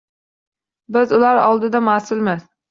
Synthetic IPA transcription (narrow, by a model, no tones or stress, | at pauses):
bɪzʊlaɾɒ̰lˠd̪ɪd̪amasɪlmɪz